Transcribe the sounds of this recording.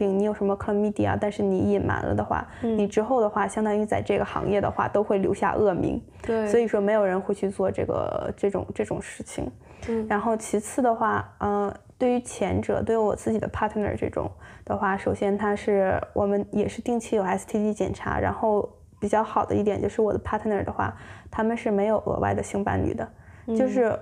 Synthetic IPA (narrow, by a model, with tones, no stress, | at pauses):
pi˧˩ŋni˧˥jo˨˩ʂə˧˥mə˧kʰlmi˥˧t̪ḭ˥˩a̰˩t̪a˥˧nʂɻ̩˥˩ni˧˩˥i˨˩nma̰˧˥nlə̰˧d̪ə˧xwa̰˥˩ni˨˩ʈ͡ʂɻ̩˥xo˥˩ʊd̪ə˩xwa˥˩ɕjɑ˥ŋt̪ɑ˥ŋi˧t͡sa˥˧ɪʈ͡ʂɤ˥˩ɡə˩xɑ̰˧˥ŋjɛ˥˩d̪ə̰˩xwa̰˥˩t̪o˥ʊxwe˥˩ɪljo̰˧˥ʊɕja̰˥˧ʔɤ˥˩mḭ˧˥ŋ | swɔ˧˥i˨˩ʂwɔ˥me˧˥ɪjo˨˩ɻə˧˥nxwe˥˧ɪt͡ɕʰy˥˧t͡swɔ˥˧ʈ͡ʂɤ̰˥˩ɡə̰˩ʈ͡ʂɤ˥˩ʈ͡ʂʊ̰˨˩ŋʈ͡ʂɤ˥˩ʈ͡ʂʊ˨˩ŋʂɻ̩˥˩t͡ɕʰḭ˨˩ŋ | ɻa˧˥nxo˥˩ʊt͡ɕʰi˧˥t͡sʰɹ̩˥˩d̪ə˩xwa˥˩ə˥˧t̪we˥˩ɪy˧˥t͡ɕʰjɛ˧˥nʈ͡ʂɤ̰˨˩t̪we˥˩ɪy˥wɔ̰˨˩t͡sɹ̩˥˩t͡ɕi˨˩d̪ə̰˦pʰa˥t̪ʰnə̰˞˨˩ʈ͡ʂɤ̰˥˩ʈ͡ʂʊ̰˨˩˦ŋd̪̥ə˧xwa˥˩ʂo˨˩ʊɕjɛ˥nt̪ʰa˥ʂɻ̩˥˩wʔɔ̰˨˩mə˦njɛ˨˩ʂɻ̩˥˧t̪i˥˧ŋt͡ɕʰi˥jo˨˩a˧˥ɪs̩˧t̪ʰi˥t͡ɕi˥˩t͡ɕjɛ̰˨˩nʈ͡ʂʰa̰˧˥ɻa̰˧˥nxo˥˩ʊ | pi˨˩t͡ɕjɑ˥˩ʊxɑ˨˩ʊd̪ə̰˦i˥˩jɛ˨˩nt͡ɕjo˥˧ʊʂɻ̩˥˩wɔ˨˩d̪ə˦pʰa˥t̪ʰə˩nə˨˩d̪ə˦xwa̰˥˩t̪ʰa˥mə˨nʂɻ̩˥˩me˧˥ɪjo˨˩ʊʔɤ̰˧˥wʔa̰˥ɪd̪ə˩ɕi˥ŋpa̰˥nly̰˨˩d̪ə˦ | t͡ɕt͡ɕjo˥˧ʊʂɻ̩˥˩